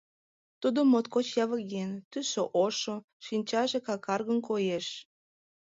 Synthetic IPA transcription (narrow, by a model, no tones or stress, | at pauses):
t̪ud̪omot̪kot͡ɕjɑβəɡent̪yʃoʔoʃo | ʃinʲt͡ɕɑʒekɑkɑrɣənkojeʃ